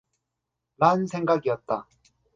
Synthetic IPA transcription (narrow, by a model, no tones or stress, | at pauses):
ɾaɯnsʰe̞ŋɡaɡijʌt̚t͈a